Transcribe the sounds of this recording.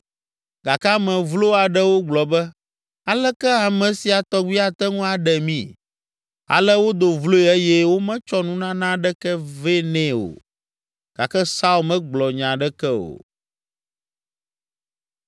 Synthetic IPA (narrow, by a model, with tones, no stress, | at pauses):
ɡa˨ka˦mɛ̃˨vlo˦a˨ɖɛ˦wo˦ɡ͡blɔ˨bɛ˦ | a˨lɛ˦kɛ˦a˨mɛ̃˨si˨a˨t̪ɔ˦ɡ͡bi˦a˦t̪ɛ˦ŋũ˦a˨ɖɛ˨mĩ˦ | a̰˨lɛ˦wo˦d̪o˨vlo˦e˨ɛ˦jɛ˦wo˦mɛ̃˦t͡ʃɔ˦nũ˦nã˦nã˦ɖɛ˦kɛ˦ve˦nɛ̃˦o̰˨ | ɡ̥a̰˨kɛ˦sa˦u˦˨mɛ̃˦ɡ͡blɔ˨ɲã˨ɖɛ˦kɛ˦o̰˨